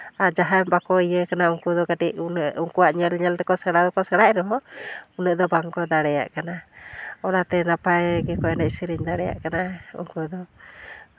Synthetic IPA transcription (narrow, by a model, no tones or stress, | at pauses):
ad͡ʒaɦambakɔijəkanauŋkud̪ɔɡaʈiʔuŋkuwaʔɲəlɲəlt̪ɛkɔsaɽad̪ɔkɔsaɽaʔɛɾɔɦɔunəʔd̪ɔbaŋɡɔd̪aɽɛja̰ʔkanaɔlat̪ɛnapajɡɛkɔɛnaisiɾiɲd̪aɽɛja̰ʔkanaṵŋkud̪ɔ